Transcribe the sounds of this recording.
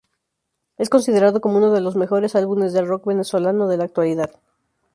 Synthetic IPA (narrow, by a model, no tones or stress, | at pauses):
e̞sko̞nsið̞e̞ɾaðo̞ko̞mouno̞ðe̞lo̞zme̞xo̞ɾe̞salβune̞zðe̞lro̞kβe̞ne̞swo̞lano̞ð̞e̞laːk̚t̪waliðað